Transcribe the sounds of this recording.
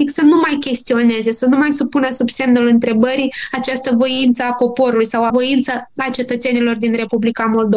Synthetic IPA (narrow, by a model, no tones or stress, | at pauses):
iksənumajkʲe̞st̪io̞ne̞ze̞sənumajsupunəsubse̞mnulɨnt̪ɾe̞bəɾiat͡ʃast̪əvo̞int̪səapo̞po̞ɾulujsawavo̞int̪səat͡ʃe̞t̪ət̪se̞nilo̞rd̪inre̞publikamo̞ld̪o̞